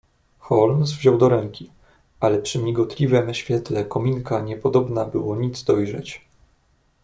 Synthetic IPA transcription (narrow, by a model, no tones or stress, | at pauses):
xɔlmsvʑɔwd̪ɔɾɛŋkʲi | ʔalɛpʂɘmʲiɡɔt̪lʲivɛmɕfʲjɛt̪lɛkɔmʲiŋkaɲɛpɔd̪ɔbnabɘwɔɲid̪zd̪ɔjʐɛt͡ɕ